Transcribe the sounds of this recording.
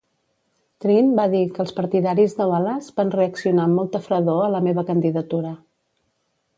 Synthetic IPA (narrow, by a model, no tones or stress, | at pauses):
t̪ɾimbaðikəlˠspəɾt̪iðaɾizðəβalazbanreəksiunamɔlˠt̪əfɾəðoələmeβəkənd̪iðət̪uɾə